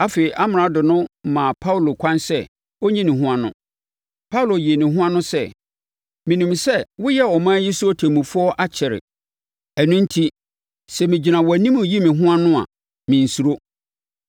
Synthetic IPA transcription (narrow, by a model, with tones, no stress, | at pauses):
a˦feː˨i˨ʔa˦mɪ˨ɾa˨dʊ˨nʊ̃˦mã˨pʰa˦u˨lo˨kʷʰã˦nsɛ˦ | o˦ɲĩ˦nɪ̃˨ɦũ˦a˦nʊ̰̃˦ | pʰa˦wlo˨ji˨e˨nɪ̃˨ɦʊ̃˦ã˦nʊ̃˦sɛ˦˨ | mĩ˨nũ˨msɛ˦wʊ˦jɛ˦ɔ˨mãː˦ji˦su˦ɔ˦tʰæ˨mũ˨fʊ˦ɔ˦ʔa˦t͡ɕʰɛ˨ɾɪ̰˨ | ɛ˨nʊ̃˦n̩˦tʰi˦ | sɛ˨mɪ̃˨d͡ʑi˨nã˨wɔ˨æ˨nĩ˦mʊ̃˨ji˦mɪ̃˨ɦʊ̃˦a˦nʊ̃˦a̰˨ | mɪ̃˨n̩˨su˨ɾo˦